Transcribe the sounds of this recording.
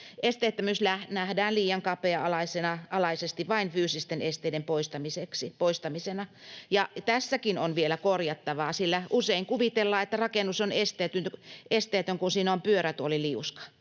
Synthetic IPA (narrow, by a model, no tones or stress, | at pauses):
ʔest̪eˑːt̪ːæmyslæhnæhdæːnliːjɑŋkɑpeɑɑlɑisenɑɑlɑisest̪iʋɑinfyːsist̪enest̪eidempoist̪ɑmiseksipoist̪ɑmisenɑjɑt̪æsːækinonʋielækorjɑt̪ːɑʋɑːsilːæʔuseiŋkuʋit̪elːɑːet̪ːærɑkenːˑusonest̪eːt̪ynʔest̪eːt̪øŋkunsiːnompyøɾæt̪oliliuskɑ̥